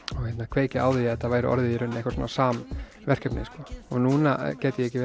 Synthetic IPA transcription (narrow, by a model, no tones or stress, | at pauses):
ɔɣhɛt̪nakʰveːjcɪa̰ːwðɪɛt̪ːavaːjɾɪ̰ʔɔ̰ɾðɪiɾʏnːehkvḁɾs̬ɔ̰ːnːasaːm | vɛr̥kcœpnɪ̰skɔɔɣnunacɛːt̪ɪjɛɛcːɪ